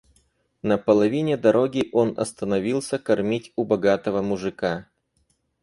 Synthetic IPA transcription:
nəpəlˠɐvʲinʲɪd̪ɐɾo̞ɡʲɪʔo̞nɐ̰st̪ənɐvʲilˠsʲəkɐrmʲitʲʊbɐɡat̪əvəmʊʐɨka

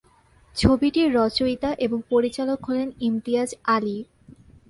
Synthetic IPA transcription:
t͡ɕʰobiʈiɾɔt͡ɕojt̪aʔeboŋpoɾit͡ɕalokɦɔlenimt̪iad͡ʑali

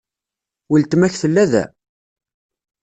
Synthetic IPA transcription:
wilt̪mæçθəlːæðæ̰

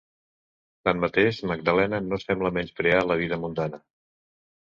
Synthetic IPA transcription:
t̪ammət̪eʃməɡ̚d̪əlɛnənosɛmbləmɛnskɾealəβ̞iðəmund̪anə

